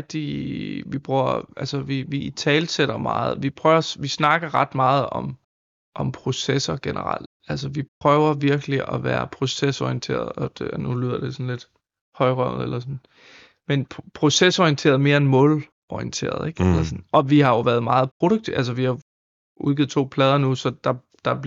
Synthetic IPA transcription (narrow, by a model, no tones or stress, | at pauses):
d̥iʋib̥ʁuɐ̰ælsəʋiʋit͡sʰɛːlseɾ̥ɐmɑ̰̈ːð̞̩ˠʋipʰʁœːʊɐsʋisnɑ̈ɡ̥ɐʁɑ̈d̥mɑ̈ːð̩ˠɒ̽m | ʔɒ̽mpʰʁo̝sesɐɡ̥enəʁɑ̰l̰d̥ | ælsəʋipʰʁœʊɐʋiɐɡ̥əliʔɒʋæːɐpʰʁo̝sesɒient͡sʰe̝̰ːɐð̞̩ˠɒd̥nulyð̞̰ˠɐd̥e̝sɔ̽n̩le̝d̥ | hɒ̽ɪʁœʊ̰ð̩ˠelɐsɔn | menʰpʰʁo̝sesɒient͡sʰe̝̰ːɐð̞̩ˠme̝ːɐenmɔ̰̽ːl | ɒient͡sʰe̝̰ːɐð̞̩̰ˠeɡ̥æsɐsɔnɒ̽ʋihɑ̈jo̝ʋæɐð̞ˠmɑ̈ːð̞̩ˠpʰʁo̝ɾ̥oɡ̚t͡sʰiʔæls̬əʋihɑ̈ | uðˠɡ̥ið̩̰ˠt͡sʰo̰ːpʰlɛːð̞ˠɐnusɒ̽d̥ɑ̈ | d̥ɑ̈b